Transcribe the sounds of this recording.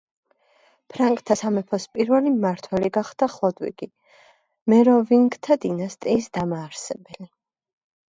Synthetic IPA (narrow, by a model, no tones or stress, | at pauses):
pʰɾaŋkʼt̪ʰasamɛpʰɔspʼiɾvɛlimaɾt̪ʰwɛliɡaχd̪̥aχlˠɔd̪wḭɡ̥i | mɛɾɔviŋɡt̪ʰad̪inast̪ʼiːsd̪amaːɾsɛbɛli